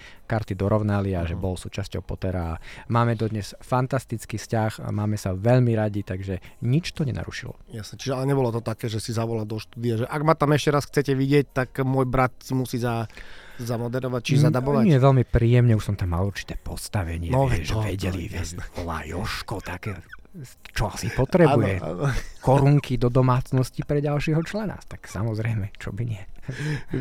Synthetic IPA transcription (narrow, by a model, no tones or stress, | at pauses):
kaɾt̪id̪ɔɾɔʊnaliaʒɛbɔlsuːt͡ʃascɔʊpɔt̪ɛɾaːmaːmɛd̪ɔd̪ɲɛsfant̪ast̪it͡skiːscaxmaːmɛsaʋɛʎmiɾaɟit̪aɡʒɛɲit͡ʃt̪ɔɲɛna̰ɾṵʃilɔ̰jasnɛt͡ʃiʒɛalɛɲɛbɔlɔt̪ɔt̪akɛːʒɛsizaʋɔlald̪ɔʃt̪uːd̪iaʒɛʔaɡmat̪amɛʃcɛɾasxt͡sɛcɛʋiɟɪɛc̚t̪akmʊɔjbɾat̪̚simusiːzazamɔd̪ɛɾɔʋac̚t͡ʃiʒɛzad̪abɔʋanɪɛʋɛlmipɾiːjɛmɲɛuʃsɔmt̪amːaluɾt͡ʃi̥t̪ɛːpɔst̪aʋɛɲɪɛɔɛʒɛɔʋɛɟɛlḭɛɔla̰jɔʃkɔt̪akɛː | t͡ʃɔasipɔt̪ɾɛnujɛa̰nɔkɔɾuŋkʰid̪ɔd̪ɔmaːt͡snɔscipɾɛɟalʃiːɦɔt͡ʃlɛna̰st̪aksa̰mɔzɾɛjmɛt͡ʃɔbiɲɪɛ